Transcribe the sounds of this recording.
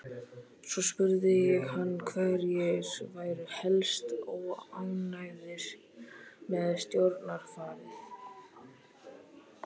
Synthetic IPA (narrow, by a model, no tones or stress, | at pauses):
sɔspʏɾðɪjɪhanːkʰvɛɾjɛɾvaːjɾʏhɛlst̪ɔɣawnajðɪɾ | mɛðst̪jowɾt̪naɾ̥faːɾɪθ